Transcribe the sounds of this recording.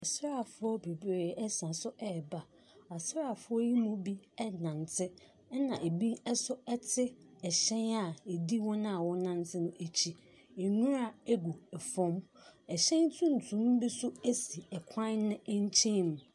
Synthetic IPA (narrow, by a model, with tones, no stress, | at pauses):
ɛ˨sɾa˦˨fʊ˦ɔ˦be˨bɾe˨ɛ˦sã˨sʊ˦ʔɛ˦˨ba˨ | a˨sɾa˦˨fʊ˦ɔ˦ji˦mũ˦bi˦ɛ˦nã˨n˨tʰɪ˦ | nã˨ʔe˨bi˦ɛ˦sʊ˦ɛ˦tʰɪ˦ɛ˨ɕɛ̃˦na˨e˨di˦wɔ̃˦nã˦a˨wɔ̃˦nã˦n˦tʰɪ˦nʊ̃˦ʔe˨t͡ɕʰi˨ | e˨nũ˦ɾa˨e˦ɡu˨ɛ˨fɔ̃˦mɛ˨ɕɛ̃˦n˦tʰũ˦n̩˨tʰũ˨˦m˦bi˦sʊ˦e˦si˨ɛ˨kʷʰã˦n˦nɪ̃˦ɲ˦t͡ɕʰĩ˦˨m˨